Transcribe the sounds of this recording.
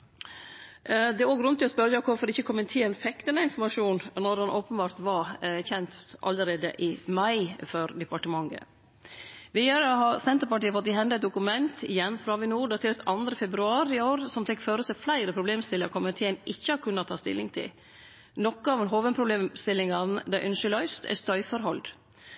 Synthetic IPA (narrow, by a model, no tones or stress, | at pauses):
d̪ɛæɾoːɡɾʉnt̪ːɪɔspœɾəjɑkʰʊɾfɔɾɪçːəkʰɔmənt̪ʰeːɛnfɛkt̪ənəɪnfɔɾmɑʂuːnnɔɾɑnʔoːpənbɑːɾt̪ʋɑçɛnt̪ʔɑ̰lːəɾeːd̪ə̰ʔɪmɑɪfœɾd̪ɛpɑʈəmɑŋɡə̰ | ʋɪjøɾəɦɑɾsɛnt̪əɾpɑʈiːəfɔt̪d̪ɪɦɛnd̪ɑɛt̪̚d̪ʊkʉmɛnt̪ʰɪjɛnfɾɑʋɪnuːɖɑt̪ʰeːɾt̪ɑnd̪ɾəfɛbɾʉɑːɾɪoːɾəsɔmt̪ɛkːføːɾəsæflæɪɾəpʰɾʊbleːmst̪ɪləkʰɔmənt̪ʰeːənʔɪçːəɑɾkʰʉnːɑt̪ʰɑːst̪ɪ̰lːɪ̰ŋt̪ʰɪ̰l | nɔkːəɑʋɛnɦoːʋənpʰɾʊbleːmst̪ɪlːɪŋɑnd̪æʔʏnʃɪlœʏst̪ʰæ̰st̪œʏfəɾɦɔld̪